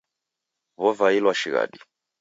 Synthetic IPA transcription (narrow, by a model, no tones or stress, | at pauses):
βɔvailwaʃiɣa̰ɗi